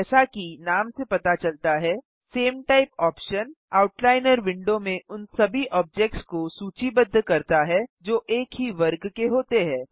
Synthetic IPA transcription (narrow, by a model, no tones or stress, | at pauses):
ɛːsakinaːmsepɐt̪at͡ʃɐlt̪aɦɛ | seːmʈaɪpɔːpʃən | aːʊʈlaːɪnəɾʋɪ̃ɳɖõmẽʊnsɐbʱiʔɔːb̚d͡ʒɛk̚ʈskosuːt͡ʃibəd̪ʱːkɐɾt̪aɦɛd͡ʒoːʔeːkɦiʋɐɾɡkeɦoːt̪eɦɛ̃ː